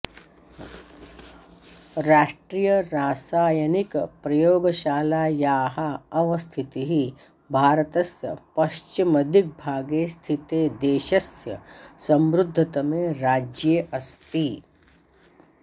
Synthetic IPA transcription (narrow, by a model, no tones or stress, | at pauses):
ɾaːʂʈɾijɐɾaːsaːjɐnikpɾɐjoːɡɐʃaːlaːjaːɦaɐʋɐst̪ʰit̪iɦi | bʱaːɾɐt̪ɐsjɐ̰pɐʃt͡ʃimɐd̪ʱik̚bʱaːɡeːst̪ʰit̪eːd̪eːʃɐsjɐ̰sɐ̃mɾud̪ʱːɐt̪ɐmẽːɾaːd͡ʒjeːʔɐst̪i